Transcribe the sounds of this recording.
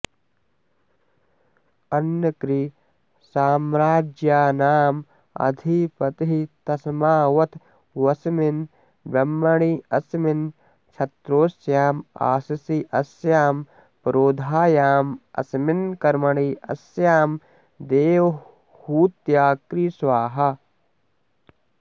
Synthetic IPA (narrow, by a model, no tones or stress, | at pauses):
ɐnjɐkɾi | saːmɾaːd͡ʒjaːnaːm | ɐ̰d̪ʱipɐt̪iɦit̪ɐsmaːʋɐt̪ | ʋɐsmin | bɐmːɐɳiɐsmin | t͡ʃʰɐt̪ɾoːsjaːma̰ːsɐsiʔɐsjaːm | pɾoːd̪ʱaːjaːmɐ̰smɪnkɐɾmɐɳ̃iːɐ̰sjaːm | d̪eːʋ | huːt̪jaːkɾisʋaːɦɐ